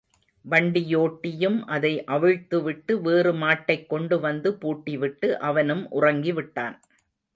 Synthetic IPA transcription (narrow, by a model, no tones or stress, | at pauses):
ʋɐɳɖɪjoːʈːɪjɯmʔɐðɐɪʔɐʋɯɻt̪ɯʋɪʈːɯʋeːrɯmaːʈːɐɪkːɔɳɖɯʋɐnd̪ɯpuːʈːiʋɪʈːɯʔɐʋɐnɯmʔʊ̰rɐŋɡiʋɪʈːaːn